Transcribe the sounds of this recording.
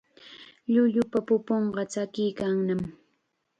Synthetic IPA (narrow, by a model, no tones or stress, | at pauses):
ʎʊʎʊpapʊpoɴɢɑt͡ʃakɪjkaŋnam